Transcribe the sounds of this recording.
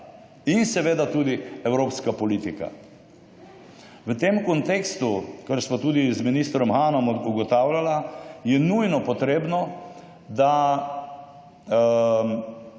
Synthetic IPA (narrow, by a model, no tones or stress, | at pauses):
insɛʋeːd̪at̪uːd̪iɛwɾoːpskapɔlit̪ika̰ | ʋət̪emkɔnt̪ekst̪ukəɾsʋat̪uːd̪izminist̪ɾɔmxaːnɔmuɡɔt̪awlalajɛnujnɔpɔt̪ɾeːbnɔ | d̪a